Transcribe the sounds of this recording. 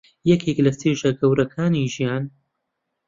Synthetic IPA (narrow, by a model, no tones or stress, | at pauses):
jɛkʰeklɐst̪eːʒɐɡɐwɾɐkʰaːniʒijaːn